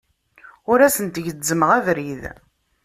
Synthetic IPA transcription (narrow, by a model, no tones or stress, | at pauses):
ʊɾæsənt̪əʝəd͡zːəməʁævɾið